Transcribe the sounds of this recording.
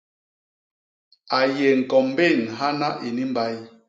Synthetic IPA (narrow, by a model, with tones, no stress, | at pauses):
a˨jɛ˨ŋ̩˨kɔ˨m˦be˦˨nɦa˦na˦ʔi˨ni˦m˦ba˦j